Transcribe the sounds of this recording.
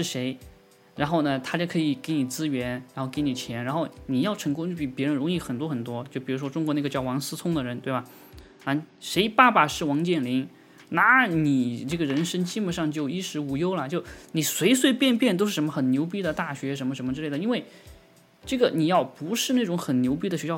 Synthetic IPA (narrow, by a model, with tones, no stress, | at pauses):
ʂɻ̩˥˩ʂe˧˥ɪ | ɻa˧˥nxo˥˩ʊnə˩t̪ʰa˥t͡ɕjo˥˩ʊkʰɤ˧˥i˨˩ke˧˥ɪni˨˩t͡sɹ̩˥ɥɛ˧˥nɻa˧˥nxo˥˩ʊke˧˥ɪni˨˩t͡ɕʰjɛ˧˥nɻa˧˥nxo˥˩ʊni˨˩jɑ˥˩ʊʈ͡ʂʰɤ˧˥ŋkʊ˥ŋy˥˩pi˨˩pjɻə˧˥nɻʊ˧˥ŋi˥˩xə˨˩nt̪wɔ˥xə˨˩nt̪̬wɔ˥t͡ɕjo˥˩ʊpi˨˩ɻu˧˥ʂwɔ˥ʈ͡ʂʊ˥ŋkwɔ˧˥na˥˩ɡə˧t͡ɕjɑ˥˩ʊwɑ˧˥ŋsɹ̩˥t͡sʰʊ˥ŋd̪ə˨ɻə˧˥nt̪we˥˩ɪba˩ | a˥˩ | ʂe˧˥ɪpa˥˩ba˨˩ʂɻ̩˥˩wɑ˧˥ŋt͡ɕjɛ˥˩nli˧˥n | na˧˥ni˨˩ʈ͡ʂɤ˥˩ɡə˩ɻə˧˥nʂə˥ŋt͡ɕi˥mə˧˥ʂɑ˥˧ŋt͡ɕjo˥˩ʊi˥ʂɻ̩˧˥u˧˥jo˥ʊlɐ˨t͡ɕjo˥˩ʊni˨˩swe˧˥ɪs̬we˥˧ɪpjɛ˥˧npjɛ˥˧nt̪o˥ʊʂɻ̩˥˩ʂmə˧xə˨˩nnjo˧˥ʊp̬i˥d̪ə˨t̪a˥˩ɕɥɛ˧˥ʂ̬ə˧˥nmə˧ʂə˧˥mə˧ʈ͡ʂɻ̩˥˧lɪd̪i˥nwe˥˩ɪ | ʈ͡ʂɤ˥˩ɡə˩ni˨˩jɑ˥˩ʊpu˧˥ʂɻ̩˥˧na˥˩ʈ͡ʂʊ˧˥ŋxə˨˩nnjo˧˥ʊp̬i˥d̪ə˩ɕɥɛ˧˥ɕjɑ˥˧